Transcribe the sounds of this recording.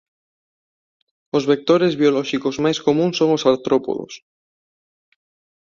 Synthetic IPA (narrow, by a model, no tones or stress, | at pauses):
ozβek̚t̪oɾezβjoloʃikozmajskomũnso̞ŋosaɾt̪ɾopo̰ðo̰s